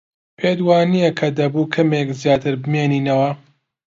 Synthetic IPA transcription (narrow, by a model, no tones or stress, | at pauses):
pʰeːd̪waːnijɐkʰɐd̪ɐbuːkʰɐmekzijaːt̪ʰɨɾbɨmeːniːnɐwɐ